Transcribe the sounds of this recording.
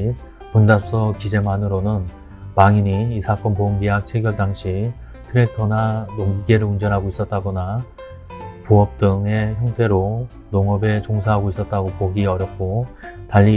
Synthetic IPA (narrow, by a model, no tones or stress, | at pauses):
pundap̚s͈ʌkid͡ʑe̞manɯɾonɯn | maŋiɲiːsʰak͈ʌnpoɯmɡiɦak̚t͡ɕʰeɡjʌɭdaŋɕʰi | tʰɯɾe̞tʰʌnanoŋɡiɡe̞ɾɯɭund͡ʑʌnɦaɡois͈ʌt̚t͈aɡʌna | puʌp̚t͈ɯŋe̞çjʌŋtʰe̞ɾo | noŋʌbe̞t͡ɕoŋs̬ʰaɦaɡois͈ʌt̚t͈aɡopoɡiʌɾjʌp̚k͈otaʎːi